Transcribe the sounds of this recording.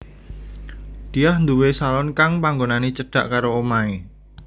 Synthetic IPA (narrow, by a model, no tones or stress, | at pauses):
d̪̥iahnd̪uwesalɔnkaŋpaŋɡonanet͡ʃəɖ̥a̤ʔkaɾoomae